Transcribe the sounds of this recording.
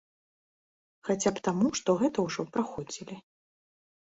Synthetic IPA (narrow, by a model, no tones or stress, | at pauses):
xat͡sʲapt̪amuʂt̪ɔɣɛt̪ɐwʐɔpɾaxɔd͡zʲilʲi